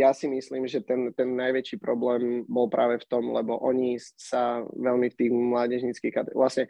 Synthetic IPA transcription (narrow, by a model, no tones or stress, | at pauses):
jasimisliːmʒɛt̪ɛnt̪ɛnːajʋɛt͡ʃiːpɾɔblɛːmbɔlpɾaːʋɛft̪ɔmlɛbɔʔɔɲissaʋɛlmift̪iːɣmlaːɟɛʒɲit͡skiːxkat̪ɛʋlasɲɛ